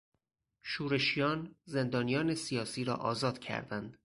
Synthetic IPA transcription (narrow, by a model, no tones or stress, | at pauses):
ʃuːɾe̞ʃijɒːnze̞nd̪ɒːnijɒːne̞sijɒːsiːɾɒ̰ːʔɒ̰ːzɒːd̪̥cʰæ̰ɾd̪ænd̪̥